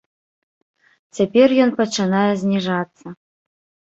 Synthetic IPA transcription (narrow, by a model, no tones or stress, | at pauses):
t͡sʲapʲɛrjɔnpɐt͡ʂɨnajɛzʲnʲiʐat̪sːɐ